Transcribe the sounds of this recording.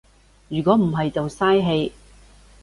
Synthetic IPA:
jyː˨˩kʷɔː˨˥m̩˨˩ɦɐ˨jt͡sɐ˨wsaː˥jɦe˧j

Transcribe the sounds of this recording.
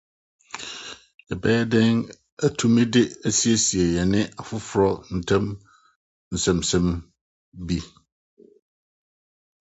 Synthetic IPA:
ɛ˨bɛː˦ɛ˦dɪ˦ŋ | æ˦tʰu˦mɪ̃˦dɪ˦e˦si˦e˦si˨e˨jɛ˨nɪ̃˦ʔa˨fʊ˦fʊ˨ɾɔ˦n̩˨tʰɛ̃˦m | n̩˨sɛ̃˨msɛ̃˦m | bi˦

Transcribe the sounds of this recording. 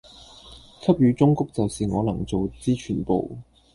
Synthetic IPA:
kʰɐ˥p̚jyː˨˧˥t͡sʊ˥ŋkʊ˥k̚t͡sɐ˨wsiː˨ŋɔː˨˧lɐ˨˩ŋt͡so˨wt͡siː˥t͡ʃʰyː˨˩npo˨w

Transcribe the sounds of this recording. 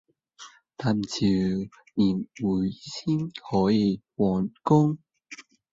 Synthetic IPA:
t̪aː˧˩m˨t͡sʰiː˨˩w | niː˨˩nwuː˨˩jsiː˥nhɔː˨˥jiː˨˧wɔː˨˩nkʊ˥ŋ

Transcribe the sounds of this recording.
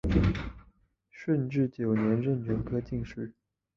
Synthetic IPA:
ʂə˥˧nʈ͡ʂɻ̩˥˩t͡ɕjo˨˩ʊnjɛ˧˥nɻə˥˩nt͡ɕɥɛ˧˥nkʰɤ˥t͡ɕi˥˧ŋʂɻ̩˥˩

